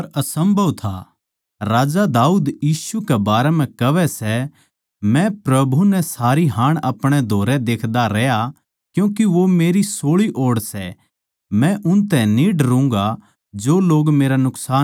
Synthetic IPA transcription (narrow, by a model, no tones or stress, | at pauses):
ɐɾɐsɐ̃mbʱɐʋt̪ʰa̰ | ɾaːd͡ʒad̪aːuːd̪jiːsukɛbaːɾɛm̤ɛ̃kɐʋɛsɛ | mɛ̃pɾɐbʱunɛsaːɾiɦãːɽ̃ɐpɽ̃ɛd̪ʱoːɾɛd̪eːkʰd̪aɾɛːja | kjũːkiʋomeːɾisoːɭiʔoːɽsɛ | mɛ̃ʔʊnt̪ɛ̃niːɖɾʊ̃ŋɡa | d͡ʒoːloːɡmeːɾanʊksaː